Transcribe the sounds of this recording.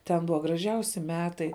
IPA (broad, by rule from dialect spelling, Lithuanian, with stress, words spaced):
tʲɛn ˈbʊʋɐ ɡrɐˈʒʲɛʊsʲɪ ˈmʲæːtɐɪ